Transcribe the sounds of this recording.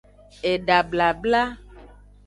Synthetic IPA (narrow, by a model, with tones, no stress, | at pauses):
e˨ɖa˨bla˨bla˦